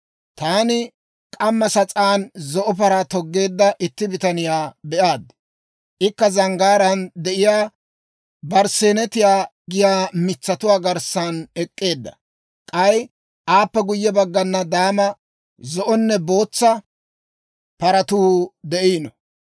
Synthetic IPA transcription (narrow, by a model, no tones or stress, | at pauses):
t̪aːnɪ | kʼɐmːɐsɐt͡sʼaːnzɔʔɔp̬ɐɾat̪ɔɡːe̞ːd̪ːɐʔɪt̪ːɪbɪt̪ɐnɪjaːbɛʔaːd̪ | ʔɪkːɐzɐŋɡaːɾɐnd̪ɛʔɪjaː | bɐɾseːnɛt̪ɪjaːɡɪjaːmɪt͡sːɐt̪ʊwaːɡɐɾsɐnɛkʼːe̞ːd̪ːɐ̰ | kʼɐj | ʔaːpːɛɡʊjːɛbɐɡːɐnːɐd̪aːmɐ | zɔʔɔnːɛbo̞ːt͡sːɐ | pɐɾɐt̪uːd̪ɛʔiːnɔ